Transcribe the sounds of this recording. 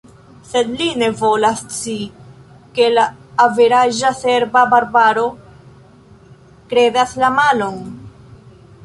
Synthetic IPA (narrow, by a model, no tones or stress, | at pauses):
se̞d̪line̞vo̞last͡si | ke̞laːveɾaʒase̞ɾbabaɾbaɾo̞ | kɾe̞daslamalo̞n